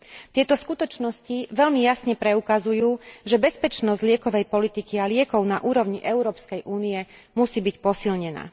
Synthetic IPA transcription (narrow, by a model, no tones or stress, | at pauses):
t̪ɪɛt̪ɔskut̪ɔt͡ʃnɔsciʋɛʎmijasɲɛpɾɛukazujuːʒɛbɛspɛt͡ʃnɔzɟlɪɛkɔʋɛjpɔlit̪ikialɪɛkɔʊnaʔuːɾɔʊɲiʔɛʊɾɔːpskɛjʔuːnijɛmusiːbicpɔsilɲɛna̰ː